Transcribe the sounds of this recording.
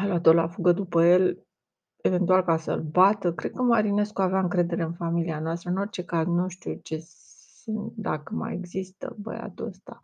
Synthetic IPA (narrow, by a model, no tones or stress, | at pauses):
alat̪oɾla̰fuɡəd̪upəje̞l | e̞ve̞nt̪ualkasə̰lbat̪əkɾe̞d̪̚kəmaɾine̞skuaveaɨŋkɾe̞d̪e̞ɾe̞ɨnfamilianoast̪ɾəɨno̞rt͡ʃe̞kaznuʃt̪iut͡ʃe̞sɨnd̪akəma̰je̞ɡzist̪ə̰bə̰ja̰t̪uəst̪a